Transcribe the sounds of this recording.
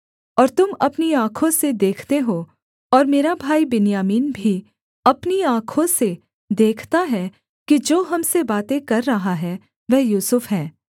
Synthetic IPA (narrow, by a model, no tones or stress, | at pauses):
ɔːɾt̪ʊmɐpniãːkʰõsed̪eːkʰt̪eɦoː | ɔːɾmeːɾabʱaːibɪnjaːmiːnbʱi | ɐpniãːkʰõse | d̪eːkʰt̪aɦɛ | kid͡ʒoːɦɐmsebaːt̪ẽkɐɾːɐɦaɦɛ | ʋɛɦjuːsʊfɦɛː